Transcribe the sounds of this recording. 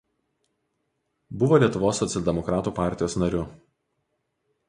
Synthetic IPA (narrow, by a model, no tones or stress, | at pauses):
bʊʋoːlʲiɛt̪ʊʋoːsːɔt̪sʲɛlʲd̪ʲɛmɔkɾɑːt̪uːpɑˑɾʲt̪ʲɪjoːsnɐɾʲʊ